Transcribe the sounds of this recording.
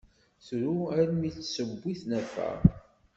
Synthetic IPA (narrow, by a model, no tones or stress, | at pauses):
θɾuæɾmiθsəbːiθnæfæ̰